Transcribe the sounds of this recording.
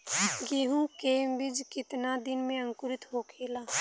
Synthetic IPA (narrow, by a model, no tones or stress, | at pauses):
ɡeːɦũkeːmbɪd͡ʒkɪt̪nad̪ɪnmẽə̃ŋkʊɾɪt̪ɦoːkʰeːlaː